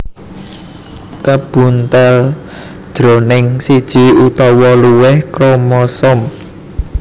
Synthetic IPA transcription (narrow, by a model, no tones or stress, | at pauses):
kab̥ṳnt̪al | d̥ʒ̥ɾo̤nɪŋsid̥ʒ̥i̤ut̪ɔwɔluwɪhkɾomɔsɔm